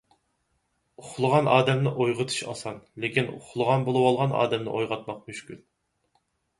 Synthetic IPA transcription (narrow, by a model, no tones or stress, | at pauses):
ʊχlˠəʁɑnʔɑːd̪ɛmnɨʔojʁət̪ʰɨ̥ʃɑ̰sɑnlekʲinṵχlˠəʁɑnbolˠɨwɑlˠʁɑnɑ̰ːd̪ɛmnɨ̰ʔojʁɑt̪̚mɑq̚myʃkʲyl